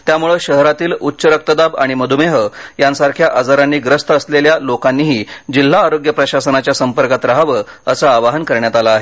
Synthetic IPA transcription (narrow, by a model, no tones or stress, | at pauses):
t̪jamuɭəɕəɦɾat̪iːlutːɕəɾək̚t̪əd̪aba̰ɽ̃iməd̪ʱumeɦəjansaɾkʰjaʔad͡zaɾanːiːɡɾəst̪əəsleljalokanːiːɦiːd͡ʑil̤ːaːɾoɡjəpɾəɕasənat͡ɕjasəmpəɾkat̪ɾaɦʋə | əsaːʋaɦənkəɾɳjat̪alaːɦe